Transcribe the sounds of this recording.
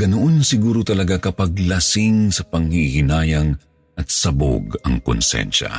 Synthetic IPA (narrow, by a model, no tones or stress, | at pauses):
ɡɐnoʔonsɪɡuːɾot̪ɐlɐɡakɐpɐɡ̚lɐsɪŋsɐpɐŋhihɪnaːjɐŋ | ʔɐt̪̚sɐbo̰ɡɐ̰ŋkʊ̰nsɛ̰nʃɐ̰